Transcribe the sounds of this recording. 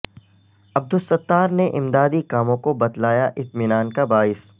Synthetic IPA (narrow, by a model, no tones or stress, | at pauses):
ɐb̚d̪ʊsɐt̪ːaːɾneʔɪmd̪aːd̪ikaːmõkobɐd̪laːjaʔɪt̪mɪnaːnkabaːɪs